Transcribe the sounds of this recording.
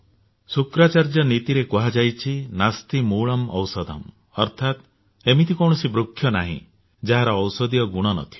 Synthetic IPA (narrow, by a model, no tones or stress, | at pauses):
sukɾat͡ʃaɾd͡ʒɔnit̪iɾekuɦad͡ʒajt͡ʃʰinast̪imuɭɔmɔ̰wsɔd̪ʱɔ̰m | ɔɾt̪ʰat̪ | emit̪ʰikɔw̃ɔsibɾukʰːjɔnaɦḭ̃ | d͡ʒaɦaɾɔːwsɔd̪ijɔɡuɽ̃ɔnɔ̰t̪ʰi̥